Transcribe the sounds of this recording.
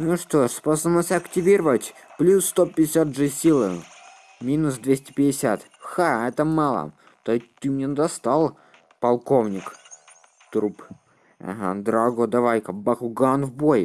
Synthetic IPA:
nuʂt̪oʂsposənəsʲtʲɐktʲɪvʲiɾəvətʲ | plʲusːt̪opʲɪdʲɪsʲat̪ʐɨsʲilˠɨ | mʲinʊsd̪vʲesʲtʲɪ̥pʲɪdʲɪsʲat̪ | xaɛt̪əmɑlˠə̰ | t̪ot̪ːɨmnʲend̪ɐst̪ɑlˠ | pɐlˠko̞vnʲɪk | t̪ɾup | ɐ̰ɦa̰d̪ɾaɡod̪ɐvajkɐbaxʊɡanvboj

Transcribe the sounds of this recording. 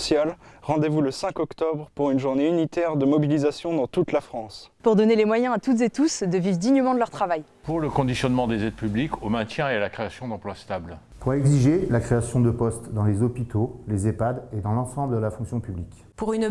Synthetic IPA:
sjalʁɑ̃d̪evuləsɛ̃kɔkt̪ɔbʁpuʁynʒuʁneynit̪ɛʁd̪əmɔbilizasjɔ̃d̪ɑ̃t̪ut̪lafχɑ̃spuʁd̪ɔnelemwajɛ̃at̪ut̪zet̪usd̪əvivd̪iɲəmɑ̃d̪əlœʁt̪χavaj | puʁləkɔ̃d̪isjɔnmɑ̃d̪ezɛd̪pyblikʰomɛ̃t̪jɛ̃ealakχeasjɔ̃d̪ɑ̃plwast̪abl | puʁɛɡziʒelakχeasjɔ̃d̪əpɔst̪d̪ɑ̃lezɔpit̪olezepad̪ed̪ɑ̃lɑ̃sɑ̃bləd̪əlafɔ̃ksjɔ̃pyblikʲ | puʁyn

